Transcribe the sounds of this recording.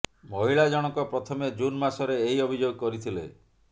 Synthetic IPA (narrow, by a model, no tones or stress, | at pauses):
mɔɦiɭad͡ʒɔɽ̃ɔkɔpɾɔt̪ʰɔmed͡ʒunmasɔɾeːɦiɔbʱid͡ʒoɡkɔɾit̪ʰilḛ